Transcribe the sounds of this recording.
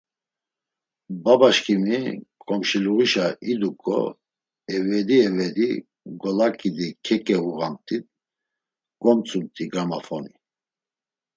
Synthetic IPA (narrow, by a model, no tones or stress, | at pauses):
babaʃkʰʼimikʼɔmʃiluɣiʃaid̪ukʼɔ̰ | ɛvɛd̪iɛvɛd̪i | ɡɔlakʼid̪ikʰɛkʼɛuɣamt̪ʼit̪̚ | ɡ̥ɔmt͡sʼunt̪ʼiɡɾamafɔni